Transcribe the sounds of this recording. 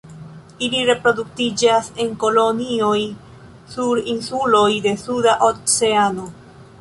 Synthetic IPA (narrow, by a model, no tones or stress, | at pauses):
iliɾe̞pɾo̞duk̚tid͡ʒase̞ŋko̞lo̞nio̞j | suɾinsulo̞jde̞sudaʔot͡se̞ano̞